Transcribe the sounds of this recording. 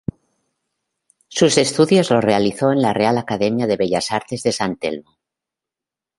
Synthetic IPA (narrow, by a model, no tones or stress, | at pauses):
suse̞st̪uðjo̞zlo̞re̞aliθoe̞nlare̞alakaðe̞mjaðe̞βeʎasaɾt̪e̞zðe̞sant̪e̞̰lmo